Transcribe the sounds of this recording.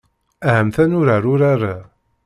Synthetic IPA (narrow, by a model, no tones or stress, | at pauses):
æhəmθænʊɾaɾʊɾaɾa